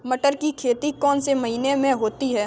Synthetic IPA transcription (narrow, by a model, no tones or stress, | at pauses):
mɐʈəɾkikʰeːt̪ikɔːnsemɐɦiːnemẽɦoːt̪iɦɛː